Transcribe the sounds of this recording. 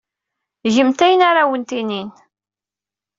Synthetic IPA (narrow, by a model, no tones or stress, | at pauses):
ʒəmt̪æjənaɾawənt̪inin